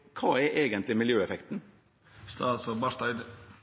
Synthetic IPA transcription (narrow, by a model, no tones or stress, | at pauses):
kʰɑːɛɾʔeːɡənt̪lɪmɪljøːɛfɛkt̪n̩ | st̪ɑsɔbɑʂt̪ɑɪd̪